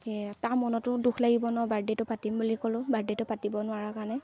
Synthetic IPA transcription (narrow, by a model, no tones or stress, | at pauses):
tamɔnɔtʊdukʰlaɡibɔnɔbaɹdetʊpatimbulikɔlʊ̃baɹdetʊpatibɔnʊaɹakanɛ